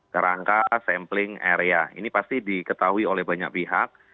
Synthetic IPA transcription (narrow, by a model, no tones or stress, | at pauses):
kəɾaŋkasɛmplɪŋḛɾeaḭnipast̪idikət̪aɦuiolɛhbaɲa̰k̚piɦak̚